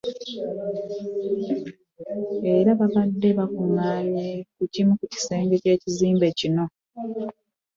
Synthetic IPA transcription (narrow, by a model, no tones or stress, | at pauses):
e̞ɾaβavadːe̞βakuŋaːɲekucimukuci̥se̞ːŋɡe̞ce̞ːciziːmbe̞cino̞